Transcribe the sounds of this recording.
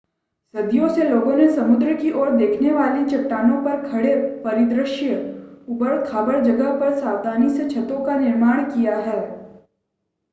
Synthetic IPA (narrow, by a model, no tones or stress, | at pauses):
sɐd̪jõseloːɡõnesɐmʊd̪ɾəkiʔɔːɾd̪eːkʰneʋaːlit͡ʃɐpʈːaːnõpɐɾkʰɐɽepɐɾɪd̪ɾəʃjəʊbəɭkʰaːbəɾd͡ʒɐɡəɦpɐɾsaːwd̪aːniset͡ʃʰɐt̪õkanɪɾmaːɽ̃kijaɦɛː